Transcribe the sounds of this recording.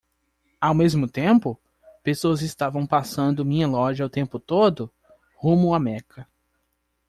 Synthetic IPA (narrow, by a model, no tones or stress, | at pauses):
awmezmʊt̪ẽmpʊ | pesoɐzɪst̪avɐ̃w̃pasɐ̃nd̪ʊmĩɲɐlɔʒɪawt̪ẽmpʊt̪od̪ʊ | hũmõw̃amɛkʰɐ